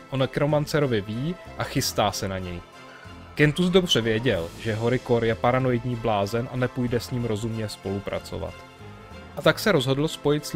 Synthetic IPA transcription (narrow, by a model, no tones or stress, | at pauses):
ʔonkɾomant͡sɛɾo̞vɪviː | ʔaxɪst̪aːsɛnaɲɛj | kɛnt̪uzdo̞br̝̥ɛvjɛɟɛlʒɛɦo̞ɾɪko̞ɾjɛpaɾano̞jɪdɲiːblaːzɛnʔanɛpujdɛsɲiːmɾo̞zumɲɛspo̞lupɾa̰t͡so̰va̰t̪ | ʔat̪aksɛɾo̞zɦo̞dl̩spo̞jɪt̪s